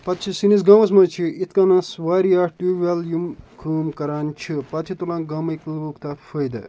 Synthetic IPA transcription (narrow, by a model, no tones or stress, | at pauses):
pɐt̪t͡ʃʰisinis̬ɡɐ̃ws̬mɐt͡ʃʰiit̪ʰkanãsʋaːɾjaːʈuʋaljumkʰuːmkɐɾaːnt͡ʃʰipɐt̪t͡ʃʰit̪ulãːnɡɐmɐklʋukt̪ɐfʰəjd̪ɐ̰